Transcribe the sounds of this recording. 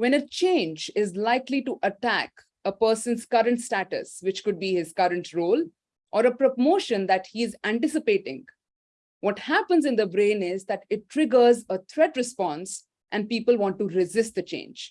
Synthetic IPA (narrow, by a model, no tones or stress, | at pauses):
ʋɛ̃nət͡ʃẽːnd͡ʒɪzlaɪkliʈuʔəʈæk | əpəːɾsə̃nzkʌɾə̃ɳʈsʈæʈə̰sʋɪt͡ʃkʊɖ̚biɪzkʌɾə̃ɳʈɾoːl | ʔɔɾəpɾomoːʃə̃nd̪æʈhiɪzæ̃ɳʈɪsɪpeːʈɪ̰̃ŋ | ʋɔʈhæpə̃nzɪ̃nd̪əbɾẽːnɪzd̪æʈɪʈːɾɪɡəɾzət̪ʰɾɛʈɾɨspɔ̃ns | ʔæ̃ɳɖ̚piːpəlʋɔ̃ːɳʈːuɾɪzɪsʈ̚d̪ət͡ʃḛ̃ːnd͡ʒ